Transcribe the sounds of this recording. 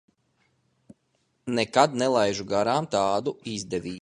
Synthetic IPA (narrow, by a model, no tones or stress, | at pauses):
nɛkad̪̚nɛlˠajʒuɡaɾaːmt̪aːd̪uizd̪ɛʋʲiː